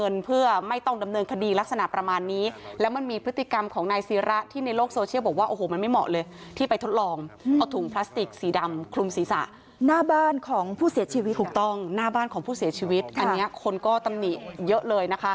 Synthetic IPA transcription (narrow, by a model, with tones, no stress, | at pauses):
ŋɤ˧npʰɯ˥˩ɐma˥˩jt̪ɔ˥˩ŋda˧mnɤː˧nkʰa˧diː˧la˦˥k̚sa˧na˨˩ʔpɾa˧maː˧nːiː˦˥lɛ˦˥wma˧nmiː˧pʰɯ˦˥t̪ːi˨ka˧mkʰɔː˩˦ŋnaː˧jsiː˩˦˥ɾa˦˥ʔt̪ʰiː˥˩na˧jloː˥˩k̚soː˧t͡ɕʰi˥˩wbɔ˨˩k̚waː˥˩ʔoː˧hoː˨˧˦ma˧nma˥˩jmɔ̰˨˩ʔlɤː˧jt̪ʰiː˥˩pa˧jt̪ʰo˦˥t̪̚lɔː˧ŋʔa˧wt̪ʰuː˨˩˦ŋpʰlaː˦˥st̪i˨˩k̚siː˩˦da˧mkʰlu˧msiː˩˦sa̰˨˩ʔ | naː˥˩baː˥˩nkʰɔː˩˦ŋpʰuː˥˩si˩˦t͡ɕʰiː˧wi˦t̪ʰuː˨˩k̚t̪ɔ˥˩ŋnaː˥˩baː˥˩nkʰɔː˨˩˦ŋpʰuː˥˩si˨˩˦ɐt͡ɕʰiː˧wi˦˥t̪̚ʔa˧nnːi˦˥ɐkʰo˧nkɔː˥˩t̪a˧mni˨˩ʔjɤ˦˥ʔlɤː˧jna˦˥kʰa˦˥